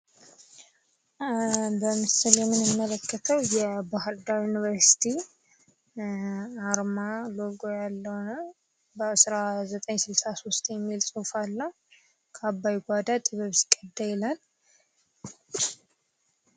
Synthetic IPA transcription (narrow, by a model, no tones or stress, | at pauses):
bəmɨsɨljɛmːɨnɨmːələkːət̪ʰəwjɛbaɦɨɾd̪ajunivəɾsi̥t̪ʰi | aɾmaloɡojalːəhnə | bəsɾazət̪ʼəɲsɨlsasost̪ʼjɛmːilsʼufalːəh | kʰabːajɡʷad̪at̪ʼɨβəβskʼːəd̪ːajɛlan